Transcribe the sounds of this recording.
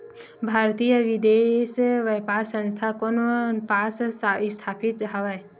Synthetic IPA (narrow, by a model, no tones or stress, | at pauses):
bʱaːɾt̪ijəʋid̪eːsʋəjpaːɾsə̃nst̪ʰakonpaːssst̪ʰaːpit̪ɦɐʋaj